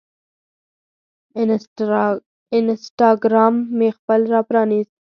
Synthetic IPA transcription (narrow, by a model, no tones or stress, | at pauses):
ɪnsʈɑɡɾɑːmːexpəlɾɑpɾɑːniz